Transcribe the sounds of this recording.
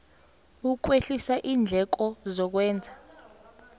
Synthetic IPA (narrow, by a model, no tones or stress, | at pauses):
uk̬weɬisaʔiːnd͡ɮʱɛk̬ɔzɔk̬wɛːnd͡zʱa